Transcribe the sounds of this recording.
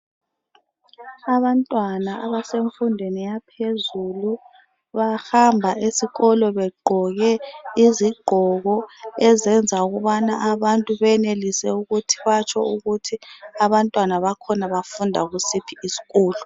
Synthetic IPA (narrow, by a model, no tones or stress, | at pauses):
aβantʼwanaʔaβaseɱfundʱwenijapʰezulu | βahambʱaisiɣɔlɔβɛɡ͡ǃʱɔɣɛiziɡ͡ǃʱɔɣɔɛzɛnd͡zʱauɣuβanaʔaβantʼuβɛnelisɛuɣutʰi̥βat͡ʃʰɔuɣutʰiaβantʼwanaβakʰɔnaβafundʱa̰ɣusipʰiisi̥ɣɔːlɔ